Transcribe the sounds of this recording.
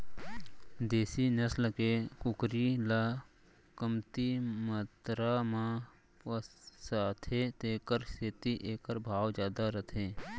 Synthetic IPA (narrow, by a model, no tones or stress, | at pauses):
d̪eːsinəsləkekʊkɾila | kəmt̪imət̪ɾamã | pəsaːt̪ʰeːt̪eːkəɾseːt̪iʔeːkəɾbʱaːwd͡ʒjaːd̪aɾət̪ʰẽː